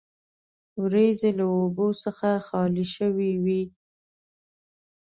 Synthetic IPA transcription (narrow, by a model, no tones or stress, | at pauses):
wɾezelaobosəxaxɑliʃəwiwi